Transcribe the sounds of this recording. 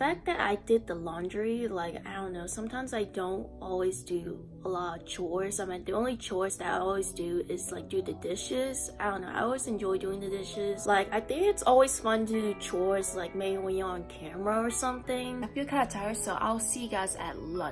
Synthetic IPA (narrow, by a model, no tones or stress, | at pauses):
fæk̚ðɨɾa̰ɪdɪd̪̚ðəlɑ̃ndɹilaɪka̰ɪdõʊ̃nːoʊsʌ̃mtʰãɪ̃mzaɪdõʊ̃ntɔlˠwizdɨ | əlɔɾʌv̥t͡ʃʰɔɪsaɪmĩnðiõʊ̃nlit͡ʃʰɔɪsðɨɾaɪɔlˠwizdɨɪz̥laɪk̚d̥ɨðɨdɪʃɪz̥aɪdõʊ̃nːoʊaɪɔlˠwizɨ̃nd͡ʒɔɪdʉɪ̃ŋðɨdɪʃɪz̥laɪkaɪθɪ̃ŋkɨtsɔlˠwiz̥fʌ̃ntɨdɨt͡ʃʰɔɪslaɪk̚meɪbiwĩjə̃nkʰæmɹəə˞sʌ̃mθɪ̃ŋaɪfikʰãətʰaɪəsoʊʔa̰ɪlˠsiɡaɪzɨ̰t̚lʌ̰̃